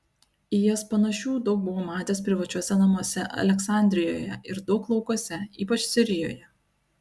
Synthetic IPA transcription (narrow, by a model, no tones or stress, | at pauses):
ɪjɛspɐnɐʃʲuːd̪ɒʊk̚bʊʋoːmɑːt̪ʲeːspʲɾʲɪʋɐt͡ʃʲuɔsʲɛnɐmuɔsʲɛʔɐ̰lʲɛksɑˑnʲd̪ʲɾʲɪjo̰ːjɛ̰ɪɾd̪ɒʊklˠɒʊkuɔsʲɛiːpɐt͡ʃʲsʲɪɾʲɪjo̰ːjɛ